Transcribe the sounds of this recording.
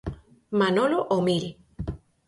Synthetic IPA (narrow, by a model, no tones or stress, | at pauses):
manoloʔomil